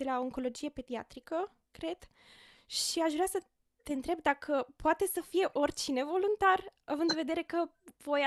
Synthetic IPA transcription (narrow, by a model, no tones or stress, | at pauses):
d̪̥e̞laooŋko̞lo̞d͡ʒije̞pe̞d̪ia̰t̪ɾikə | kɾe̞d̪̥ | ʃiaʃvɾeasə | t̪e̞ɨnt̪ɾe̞b̚d̪akʰəpoat̪e̞səfije̞ʔo̞rʲt͡ʃine̞vo̞lunt̪aravɨnd̪ve̞d̪e̞ɾe̞kə | vo̞j